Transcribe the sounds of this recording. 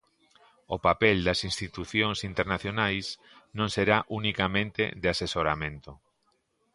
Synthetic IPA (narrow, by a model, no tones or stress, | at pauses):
opapɛld̪ɐsinst̪it̪uθjoŋsint̪eɾnaθjonajs | nõŋseɾaʔunikamẽnt̪ḛðeasesoɾamẽnt̪o